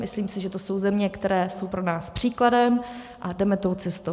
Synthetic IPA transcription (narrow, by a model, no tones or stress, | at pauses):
mɪsliːmsɪʒɛt̪oso̞wzɛmɲɛkt̪ɛɾɛːso̞wpɾo̞naːspr̝̥iːkladɛm | ʔadɛmɛt̪o̞wt͡sɛst̪ow